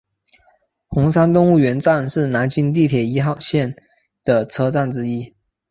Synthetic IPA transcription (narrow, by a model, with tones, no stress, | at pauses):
xʊ˧˥ŋsa˥nt̪ʊ˥˧ŋu˥˩ɥɛ˧˥nʈ͡ʂa˥˧nʂɻ̩˥˩na˧˥nt͡ɕi˥˧nt̪̬i˥˩t̪ʰjɛ˨˩i˧˥xɑ˥˧ʊɕjɛ˥˩n | d̪̥ə˩t͡sʰɤ˥ʈ͡ʂa˥˩nʈ͡ʂɻ̩˥i˥